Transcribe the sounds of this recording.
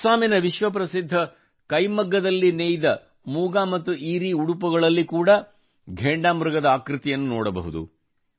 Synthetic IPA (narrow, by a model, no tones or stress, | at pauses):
saːminɐʋiʃʋɐp̬ɾɐsid̪ʱːɐ | kɐjmɐɡːɐd̪ɐlːineːjid̪ɐ | muːɡaːmɐt̪ːuiːɾiuɽupɐɡɐɭɐlːikuːɽɐ | ɡʱeːɳɖaːmɾɐɡɐd̪ɐaːkɾɨt̪ijɐnːunɔːɽɐbɐ̰ɦud̪ṵ